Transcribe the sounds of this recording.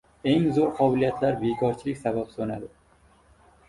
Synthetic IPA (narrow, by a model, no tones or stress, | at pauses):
e̞ŋzoɾqʰɒbɪlijat̪ʰlaɾbekʰɒɾt͡ʃʰɪlɪkʲsabapsonad̪ɪ